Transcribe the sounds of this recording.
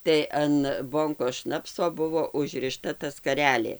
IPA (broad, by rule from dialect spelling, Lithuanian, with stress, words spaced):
tɐɪ ɐn ˈboːŋkoːs ˈʃnɑːpsoː ˈbʊʋoː ʊʒʲrʲɪˈʃtɐ tɐ skɐˈrʲæːlʲeː